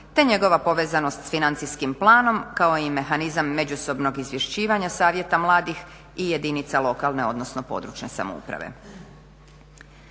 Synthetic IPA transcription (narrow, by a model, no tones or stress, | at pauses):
t̪e̞ɲe̞ɡo̞ʋapo̞ʋeːzano̞st̪sfinant̪siskimplˠaːno̞mkao̞ime̞xanizamːe̞d͡ʑuso̞bno̞ɡizʋje̞ʃt͡ɕiːʋaɲasaːʋje̞t̪amlˠaːd̪ix | ijed̪init̪salˠo̞kalˠne̞o̞d̪no̞sno̞po̞̰d̪ɾṵt͡ʃne̞sa̰moṵpɾa̰ʋḛ